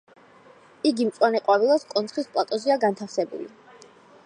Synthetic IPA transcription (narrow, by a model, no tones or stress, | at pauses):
iɡimt̪sʼwanɛqʼwaɾilˠaskʼɔnt̪sχispʼlˠat̪ʼɔziaɡant̪ʰafsɛbṵlḭ